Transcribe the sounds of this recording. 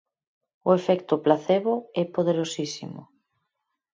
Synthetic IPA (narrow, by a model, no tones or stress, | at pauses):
ʊefɛkt̪ʊplaθeβʊɛpoð̞eɾosisḭmʊ̰